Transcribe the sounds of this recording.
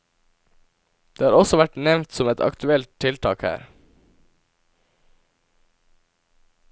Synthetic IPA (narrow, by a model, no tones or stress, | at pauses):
d̪̥eːhɑːɾɔsɔʋæʈnɛʋnt̪sɔmɛt̪ʰɑ̰kt̪ʰʉɛlt̪ʰːɪlt̪ʰɑːkhæ̰ːɾ